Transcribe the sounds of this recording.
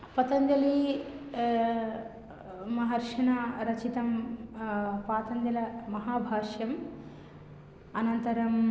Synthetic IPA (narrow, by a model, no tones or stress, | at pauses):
pɐt̪ɐnd̪jɐli | mɐɦɐɾʂɐɳaɾɐt͡ʃit̪ɐm | paːt̪ɐnd̪jɐlɐmɐɦaːbʱaːʂjɐm | ɐnɐnt̪ɐɾɐm